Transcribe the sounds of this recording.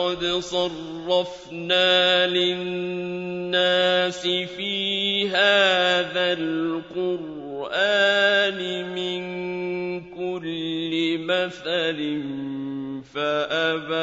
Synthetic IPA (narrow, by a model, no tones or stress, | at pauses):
ɑd̪sˤɑrːɑf | naːlɪnːaːsɪfiːɦaːðalqʊɾ | ʔaːnɪmɪn | kʊlːɪmaθalɪn | faʔaba